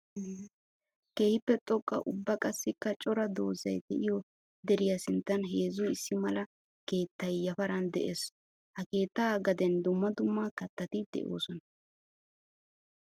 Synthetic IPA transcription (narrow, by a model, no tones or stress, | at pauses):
ke̞ːhɪpːɛt̪ʼɔkʼːɐ̰ʔʊbːɐkʼɐsːɪkːɐt͡ʃʼɔɾɐd̪o̞ːzɐjd̪ɛʔɪjɔ | d̪ɛɾɪjɐsɪnt̪ːɐnɦe̞ːzʊɪsːɪmɐlɐ | ke̞ːt̪ːɐjːɐfɐɾɐnd̪ɛ̰ʔeːs | hɐke̞ːt̪ːɐɡɐd̪ɛnd̪ʊmːɐd̪ʊmːakɐt̪ːɐt̪ɪd̪̥ɛ̰ʔo̞̰ːsɔnɐ